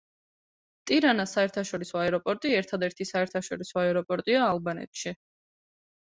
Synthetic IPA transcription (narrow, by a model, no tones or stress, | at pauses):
t̪ʼiɾanasaɛɾt̪ʰaʃɔɾisɔaɛɾɔpʼɔɾt̪ʼiɛɾt̪ʰad̪ɛɾt̪ʰisaɛɾt̪ʰaʃɔɾisɔaɛɾɔpʼɔɾt̪ʼiaːlˠbanɛ̰t̪ʰʼʃi